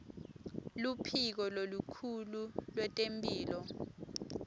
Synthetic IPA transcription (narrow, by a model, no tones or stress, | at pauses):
lupʰik̬ɔlolukʰululwɛtʼempʼiːlɔ